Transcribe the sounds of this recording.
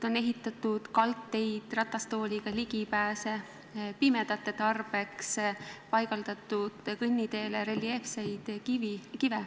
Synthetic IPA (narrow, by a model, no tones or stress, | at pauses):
o̞ne̞ɦit̪ːˑɑt̪ːˑud̪̥kɑlt̪ːe̞jd̪̥rɑt̪ːˑɑst̪o̞ːlʲiɡ̥ɑliɡ̥ipæːse̞ | pimed̪̥ɑt̪ːˑe̞t̪ɑrb̥e̞kspɑjɡ̥ɑld̪̥ɑt̪ˑːud̪̥kɯnʲːid̪e̞ːleɾelːie̞fsejd̪̥kivikive